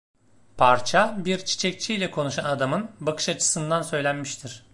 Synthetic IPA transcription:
pʰaɾt͡ʃʰabiɾt͡ʃʰi̥t͡ʃʰɛc̚t͡ʃʰijlʲɛkʰo̞nuʃanad̪amɯnbakʰɯ̥ʃat͡ʃʰɯ̥sɯnd̪ansø̞jlʲænmiʃt̪ʰiɾ̥

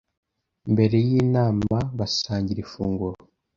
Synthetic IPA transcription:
mbe̞ɾe̞jiːnaːmaβasaːɲɟiɾifuːŋɡuɾo

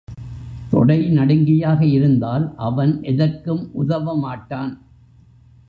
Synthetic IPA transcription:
t̪ɔ̰ɽɐɪnɐɽɯŋɡɪjaːɣɐɪɾɯnd̪aːlʔɐʋɐnʔɛðɐrkɯmʔʊðɐʋɐmaːʈːaːn

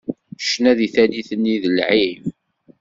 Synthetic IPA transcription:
ʃnæðiθæniθənːiðəlʕim

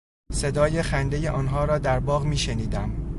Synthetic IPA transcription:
se̞d̪ɒːjexænd̪ejeʔɒːnɦɒːɾɒːd̪æɾbɒːɣmiːʃeniːd̪æm

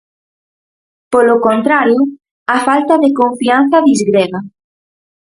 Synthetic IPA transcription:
polokont̪ɾaɾjo | afalt̪aðekoɱfian̟θɐðizɣɾeɣa

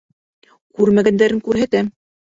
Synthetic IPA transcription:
kʉɾmæɡænd̪æɾɘŋkʉɾɦæt̪æm

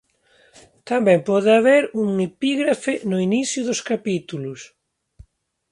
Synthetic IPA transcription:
t̪ambɛ̃mpɔðɪaβeɾuŋepiɣɾafɪnʊiniθjʊðʊskapit̪ulʊs

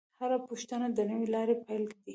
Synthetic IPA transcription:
haɾapuʃt̪anad̪ənəwelɑɾepajlkad̪i

